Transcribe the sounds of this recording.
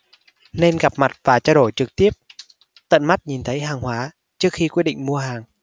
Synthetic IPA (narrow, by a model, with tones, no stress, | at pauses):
ne˧nɣa˨˩p̚ma˨˩t̚vaː˨˩t͡ɕɔː˧ɗo˧˩jt͡ɕɨ˨˩k̚t̪i˦˥əp̚ | t̪ə̰˧˨nma˦˥t̚ɲi˨˩nt̪ʰə˨˦jɦaː˨˩ŋhwaː˨˦ | t͡ɕɨ˦˥ək̚xi˧kwi˦˥ɗ̰ḭ˧˨ŋ̟mu˧əhaː˨˩ŋ